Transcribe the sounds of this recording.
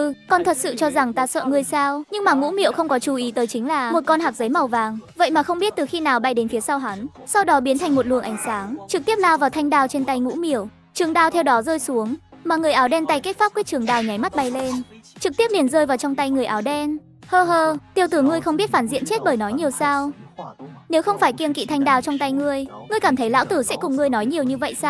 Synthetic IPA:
ɨ˧kɔ˧nt̪ʰə˨˩t̚sɨ̰˧˨t͡ɕɔ˧za˨˩ŋt̪aː˧sə̰ː˧˨ŋɨ˧əjsaː˧wɲɨ˧ŋmaː˨˩ŋṵ˧˥mḭ˧˨əwxə˧wŋ͡mkɔ˨˦t͡ɕu˧˩ʔi˨˦t̪əː˨˦jt͡ɕï˨˦ŋlaː˨˩mo˨˩t̚kɔ˧nɦaː˨˩k̚zə˨˦jma˨˩wvaː˨˩ŋvə̰˧˨jmaː˨˩xə˧wŋ͡mɓi˦˥ət̚t̪ɨ˨˩xi˧naː˨˩wɓa˧˩jɗe˨˦nfi˨˦əsa˧wɦa˨˦n | sa˧wɗɔ˨˦ɓi˨˦ənt̪ʰa˨˩jŋmo˨˩t̚lwɨ˨˩əŋʔa˨˩jŋ̟saː˨˦ŋt͡ɕɨ˨˩k̚t̪i˦˥əp̚laː˧wvaː˨˩wt̪ʰa˧jŋ̟ɗaː˧wt͡ɕe˧nt̪a˧jŋṵ˧˥mḭ˧˩˨əw | t͡ɕɨ˨˩əŋɗaː˧˩wt̪ʰɛ˧wɗɔ˨˦zəː˧jsu˨˦əŋmaː˨˩ŋɨ˨˩əjʔaː˨˦wɗɛ˧nt̪a˧jke˦˥t̚fa˦˥p̚kaː˦˥t͡ɕɨ˨˩əŋɗaː˨˩wɲa˨˦jma˦˥t̚ɓa˨˧˩jle˧n | t͡ɕɨ˨˩k̚t̪i˦˥əp̚li˨˩ənzəː˧jvaː˨˩wt͡ɕɔ˧wŋ͡mt̪a˧jŋɨ˨˩əjʔaː˨˦wɗɛ˧n | həː˧ɦəː˧t̪i˧əwt̪ɨ˧˩ŋɨ˧əjxə˧ŋ͡mɓi˦˥ət̚faː˧˩nzḭ˧˨ənt͡ɕe˦˥t̚ɓəː˧˩jnɔ˨˦jɲi˨˩əwsaː˧w | ne˨˦wxə˧wŋ͡mfaː˧˩jki˧ənkḭ˧˨t̪ʰa˧jŋɗaː˧˩wt͡ɕɔ˧wŋ͡mt̪a˧jŋɨ˧əjŋɨ˧əjkaː˧˩mt̪ʰə˨˦jla̰ː˧˥wt̪ɨ˧˩sɛ̰˧˥kʊ˨˩ŋ͡mŋɨ˧əjnɔ˨˦jɲi˨˩əwɲɨ˧və̰˧˨jsaː˧

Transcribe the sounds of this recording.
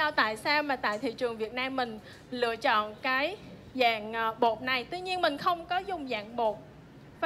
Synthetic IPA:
aː˧wt̪a̰ː˧˨jsaː˧wmaː˨˩t̪a̰ː˧˨jt̪ʰḭ˧˨t͡ɕɨ˨˩əŋvi˨˩ət̚naː˧mːï˨˩ŋ̟ | lɨ̰˧˨ət͡ɕɔ̰˧˨nkaː˨˦j | za̰ː˧˨ŋʔɓo˨˩t̚na˨˩jt̪wi˧ɲi˧ənmï˨˩ŋ̟xə˧wŋ͡mkɔ˨˦zʊ˨˩ŋ͡mza̰ː˧˨ŋɓo˨˩t̚

